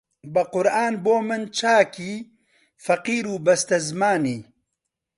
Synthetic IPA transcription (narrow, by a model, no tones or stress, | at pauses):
bɐqʊɾʔaːnboːmɨnt͡ʃʰaːkiː | fɐqiːɾuːbɐst̪ɐzmaːniː